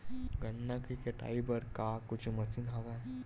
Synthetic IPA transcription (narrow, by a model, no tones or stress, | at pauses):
ɡɐnːakikeʈa̰ːibɐɾkakʊt͡ʃʰmɐsinɦɐʋɛ